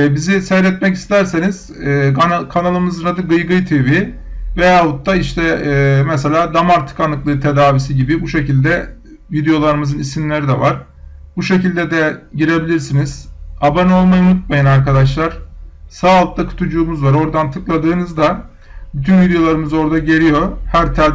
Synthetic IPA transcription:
bizisɛjɾɛt̪mɛci̥st̪ʰæɾseniz̥ː | kʰanalˠɯmɯzɯnad̪ɯɡɯjɡɯjt̪ʰevi | vejavut̪ːaiʃt̪ʰɛːmɛs̬elʲaːd̪amaɾt̪ʰɯ̥kanːɯklˠɯːt̪ʰe̞d̪aːvisiɟibibuʃe̞cilʲd̪ɛ | vid̪ejo̞lˠaɾɯmɯzɯnisinlʲe̞ɾid̪ɛvaɾ̥ | buʃe̞cilʲd̪ɛd̪ɛɟiɾe̞bilʲiɾsiniz̥abano̞lˠmajɯmut̪̚majanaɾkad̪aʃ̬lˠaɾ̥saːlˠɯk̚d̪ˠakʰɯ̥t̪ʰud͡ʒuːmuzvaɾo̞ɾd̪ant̪ʰɯklˠad̪ɯːnɯzd̪a | byt̪ʰynvid̪ejo̞lˠaɾɯmɯzo̞ɾd̪aɟe̞ɾʲijo̞hæɾt̪ʰæɾ

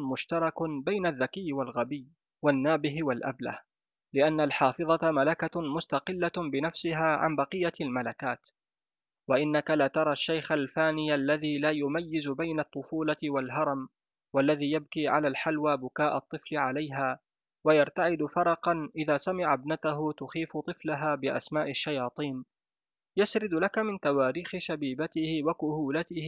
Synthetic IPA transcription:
mʊʃt̪ɑɾˤɑkʊbajnaðːakɪjːwalɣabɪjː | wanːaːbɪɦwalʔa̰bla̰h | lɪʔanːalħɑːfɨðˤɑtmalakamʊst̪ɑqɪlːabɪnafsɪɦaːʕa̰nbɑqɨjːalmalakaːt̪ | waʔɪnːakalaːt̪ɑɾˤɑʃːajxalfaːnɪjlːaðiːlaːjʊmajːɪzʊbajnat̪ˤːʊfuːlawalɦɑɾˤɑm | walːaðiːjab̚kiːʕa̰laːlħalwaːbʊkaːʔɑt̪ˤːɨflɪʕalajɦaː | wajaɾˤt̪aʕɪd̪fɑɾˤɑqɑnʔɪðaːsamɪʕabnat̪aɦʊt̪ʊxiːft̪ˤɨflaɦaːbɪʔa̰smaːʔɪʃːajɑːt̪ˤiːn | jasɾɪd̪lakamɪnt̪awaːɾiːxɪʃabiːbat̪ɪhɪwakʊhuːlat̪ɪh

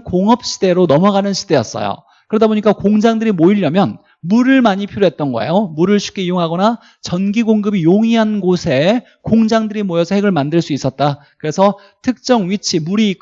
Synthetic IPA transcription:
koŋɦʌp̚ɕ͈ʰi̥de̞ɾonʌmʌɡanɯnɕʰi̥d̥e̞jʌ̰s͈ʌ̰jo̰ | kɯɾʌdaboɲik͈akoŋd͡ʑaŋdɯɾimoiʎːʌmjʌn | muɾɯɭmaɲipʰiɾjoɦe̞t̚t͈ʌnɡʌ̰ḛjomuɾɯɭɕʰu̥k͈eijoŋɦaɡʌna | t͡ɕʌnɡiɡoŋɡɯbijoŋiɦanɡosʰe̞ | koŋd͡ʑaŋdɯɾimojʌsʰʌheɡɯɭmandɯɭs͈uis͈ʌt̚t͈a | kɯɾe̞sʰʌ | tʰɯk̚t͡ɕ͈ʌŋɥit͡ɕʰimuɾi

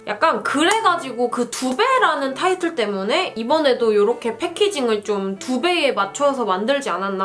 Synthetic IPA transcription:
jʔak̚k͈ankɯɾe̞ɡad͡ʑiɡokɯtube̞ɾanɯntʰaitʰɯɭt͈e̞mune̞ibʌne̞dojoɾʌkʰe̞pʰe̞kʰid͡ʑiŋɯɭt͡ɕomtube̞emat͡ɕʰʌsʰʌmandɯɭd͡ʑiananːa

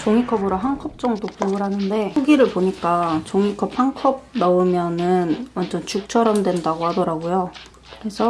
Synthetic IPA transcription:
t͡ɕoŋikʰʌbɯɾoɦankʰʌp̚t͡ɕ͈ʌŋdopoɡɯɾɦanɯnde̞uɡiɾɯɭpoɲik͈at͡ɕoŋikʰʌp̚haŋkʰʌb̚nʌɯmjʌnɯnwʌnd͡ʑʌnt͡ɕʰuk̚t͡ɕʰʌɾʌmdwe̞ndaɡohadʌɾaɡojo | kɯɾe̞sʰʌ

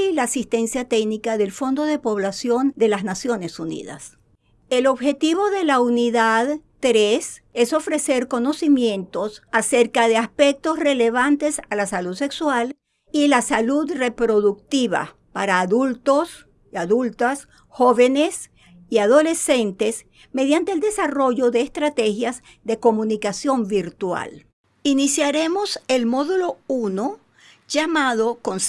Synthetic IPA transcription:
laːsist̪e̞nsjat̪eknikaðe̞lfo̞nd̪o̞ðe̞po̞β̞lasjo̞nd̪e̞laznasjo̞nesunḭða̰s | e̞lo̞βxe̞t̪iβo̞ðe̞launiðaðt̪ɾes | e̞so̞fɾe̞se̞ɾko̞no̞simjẽ̞nt̪o̞sase̞ɾkaðe̞aspe̞k̚t̪o̞sre̞le̞β̞ant̪e̞salasaluðse̞kswal | ilasaluðre̞pɾo̞ðuk̚t̪iβa̰ | paɾaːðult̪o̞s | aðult̪as | xo̞βe̞nes | iaðo̞le̞se̞nt̪e̞s | me̞ðjant̪eld̪e̞saro̞ʝoðe̞ːst̪ɾat̪e̞xjaz | ðe̞ko̞mũnikasjo̞mbiɾt̪wa̰l | inisjaɾemoselmoðulo̞uno | d͡ʒamaðo̞kons

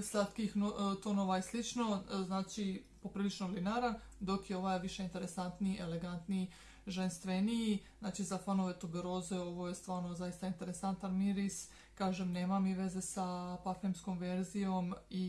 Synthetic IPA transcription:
slat̪kixnot̪onoʋajeslit͡ʃno̞znaːt͡ʃi | po̞pɾiːlit͡ʃnolinaɾan | d̪o̞kjeo̞ʋajʋiʃe̞int̪e̞ɾe̞sant̪niiʔeleɡant̪nii | ʒenst̪ʋenijiznaːt͡ʃizafanoʋet̪obeɾoːzeo̞ʋo̞jest̪ʋaːɾno̞zajist̪aint̪e̞ɾesant̪anmiɾis | kaːʒemneːmamiʋe̞ze̞sapafemsko̞mʋeɾzijo̞mi

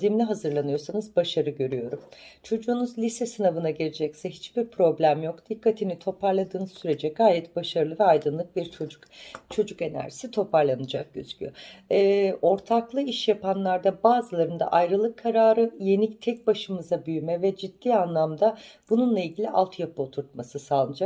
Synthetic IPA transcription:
zimlʲiɦazɯɾlˠanɯjo̞ɾsanɯzbaʃaɾɯɟø̞ɾyjo̞ɾumt͡ʃʰo̞d͡ʒuːnuzlʲisɛsɯnavɯnaɟeled͡ʒɛcsɛɦit͡ʃb̥iɾpʰɾo̞blʲæmjo̞kd̪̥ikʰːat̪ʰinit̪ʰo̞pʰaɾlˠad̪ɯːnɯzsyɾe̞d͡ʒɛɡaːjɛt̪̚b̥aʃaɾɯlˠɯvɛajd̪ɯnlˠɯk̚biɾt͡ʃʰod͡ʒukt͡ʃʰo̞d͡ʒuke̞næ̰ɾʒi̥sit̪ʰo̞paɾlˠanɯd͡ʒak̚ɟ̥ø̰z̥y̥cʰʲy̰jøɛːo̞ɾt̪ʰaklˠɯiʃjapanlˠaɾd̪abaːzɯlˠaɾɯnd̪a̰ʔajɾɯlˠɯkʰːaɾaːɾɯje̞nict̪ʰɛc̚baʃɯmɯzabyjmɛvɛd͡ʒid̪̥ːiːanlˠamd̪ab̥ununlˠailʲɟʲilʲiʔa̰lˠt̪ʰjap̚ʰɯot̪ʰuɾt̪̚masɯsaːlˠɯnɯd͡ʒak

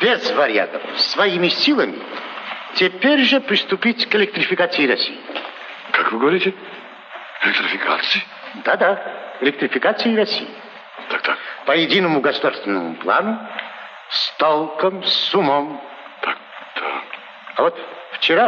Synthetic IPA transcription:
b̥ʲezvɐɾʲɪa̰t̪əfsvɐjimʲɪsʲilˠəmʲɪ̰tʲepʲeɾʲʐəpɾʲɪst̪ʊpʲitʲkɪlʲɪkt̪ɾʲɪfʲɪkat̪sɨjiɾɐsʲḭji | kakvɨɡəvɐɾʲitʲɪ | elʲɪk̚t̪ɾɪfʲɪka̰t̪sɨɪ | d̪ad̪aelʲɪk̚t̪ɾʲɪfʲɪkat̪sɨjɪɾɐsʲḭji | t̪ak̚t̪akpəjɪdʲinəmʊɡəsʊd̪arst̪vʲɪnːə̰mʊ̰plˠa̰nʊ | st̪olˠkəmsumom | t̪ak̚d̪̥a | ɐvot̪ft͡ɕɪɾa

